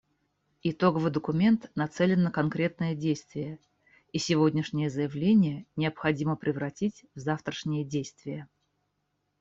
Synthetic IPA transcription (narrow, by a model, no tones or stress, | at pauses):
ɪt̪o̞ɡəvɨjd̪əkʊmʲe̞nt̪nɐt̪sɛlʲɪnːəkɐnkɾʲe̞t̪̚nəjədʲejst̪vʲɪjə | isʲɪvodʲnʲɪʂnʲɪjəzəjɪvlʲenʲɪjənʲɪəpxɐdʲiməpɾʲɪvɾɐtʲitʲvzaft̪ɾəʂnʲɪjədʲejst̪vʲɪjə